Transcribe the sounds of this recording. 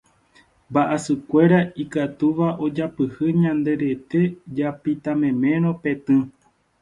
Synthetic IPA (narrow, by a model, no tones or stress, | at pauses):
mbaʔasɨkʷe̞ɾaikat̪uʋaʔo̞d͡ʒapɨhɨɲãnd̪e̞ɾe̞t̪e̞d͡ʒapit̪ãmẽ̞mẽ̞ɾ̃õ̞pe̞t̪ɨ̃